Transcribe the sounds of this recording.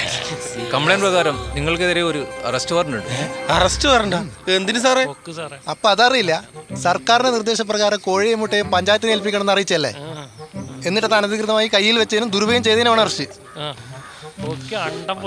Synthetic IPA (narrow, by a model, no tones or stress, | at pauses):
kɐmpɭejnprɐɣaːɾɐmniŋːɐɭkeðɐɾeo̞ɾuɐ̰rɐstɨpɐrɐnːuɳɽɖɨɐrɐstːɨpɐrɐɳɖɐe̞nd̪inɨs̬areɐpːoːɐðɐrijilːɐsɐrkaːɾinenird̪e̞ːɕɐp̬rɐɣaːɾɐko̞ːɻijemːuʈːɐjumpɐɲd͡ʑaːjt̪ːinelp̬ikʲːɐnɳmenːɐrijit͡ɕːɐlːḛ | e̞nːiʈːɐðːɐnɐðikrɨðɐmaːjikɐjːilʋet͡ɕːɐinumd̪uɾubʱɐjɐmt͡ɕejðɐinɐʋaːɳɐrɐst͡ɕɨ